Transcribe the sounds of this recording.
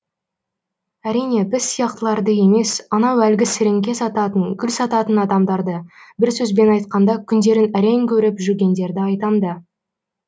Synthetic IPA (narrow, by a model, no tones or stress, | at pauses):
æɾijne̞bɪzsijɑqt̪əlˠɑɾd̪əe̞me̞sɑnɑwælɡʲɪsɪɾeŋɡʲe̞sɑt̪ɑt̪əŋkʲʰʏlsɑt̪ɑt̪ənɑd̪ɑmd̪ɑɾd̪əbɪɾsɵzbe̞nɑjt̪̚qɑnd̪ɑkʲʰʏnd̪e̞ɾɪnæɾe̞ŋkʲʰɵɾɪpʒʏɾɡʲe̞nd̪e̞ɾd̪ɪɑjt̪ɑmd̪ə